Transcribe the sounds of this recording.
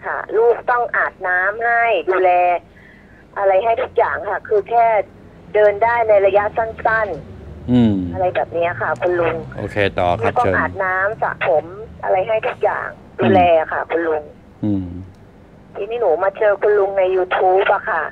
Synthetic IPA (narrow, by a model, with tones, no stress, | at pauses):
kʰa̰˥˩luː˥˩k̚t̪ɔ˥˩ŋʔaː˨˩t̪̚naː˦˥mha˥˩jduː˧lɛː˧ | ʔa˧ɾa˧jɦa˥˩jt̪ʰu˦˥k̚jaː˨˩ŋkʰa˥˩kʰɯː˧kʰɛː˥˩ | dɤː˧ndaː˥˩jna˧jɾa˧ja˦˥ʔsa˥˩nsa˥˩nʔʔa˧ɾa˧jbɛː˨˩p̚ni˦˥ɐ˨kʰa˥˩kʰu˧nlu˧ŋʔo̰ː˧kʰeː˧t̪ɔː˨˩kːa˦˥˩t̪ɔ˥ŋː˧ʔaː˨˩t̪̚naː˦˥msa̰˨˩pʰo˩˦mʔa̰˧ɾa˧jɦa˥˩jt̪ʰu˦˥k̚ja̰ː˨˩ŋ | duː˧lɛː˧a˨˩kʰa̰˥˩kʰu˧nlu˧ŋː˧˩ | t̪ʰiː˧niː˥˩nuː˩˦maː˧t͡ɕɤː˧kʰu˧nlu˧ŋna˧jːuː˧t̪ʰuː˦˥p̚ʔa˧˩kʰa˥˩